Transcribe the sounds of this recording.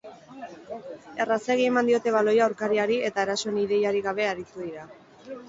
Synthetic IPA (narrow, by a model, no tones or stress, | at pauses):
e̞raseɣie̞mand̪io̞t̪e̞βalo̞jawɾkaɾiaɾie̞t̪aeɾaso̞eniðe̞jaɾiɣaβ̞e̞aɾit̪uðiɾa